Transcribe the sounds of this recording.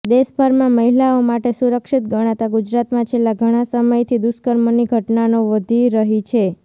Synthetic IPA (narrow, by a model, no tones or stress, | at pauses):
d̪esbʱəɾmãməɦilaomaʈesuɾəkʃit̪̚ɡəɽ̃at̪aɡud͡ʒɾat̪mãt͡ʃʰelːãɡʱəɽ̃asəməjt̪ʰid̪uskəɾmoniɡʱəʈnanoʋəd̪ʱiɾəɦit͡ʃʰe